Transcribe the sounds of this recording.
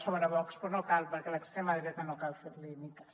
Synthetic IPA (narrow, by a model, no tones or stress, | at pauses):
t͡ʃaβonaβɔkspoɾnokalpaɾkelaekst̪emaðiɾet̪anokalfeɾlinikḁ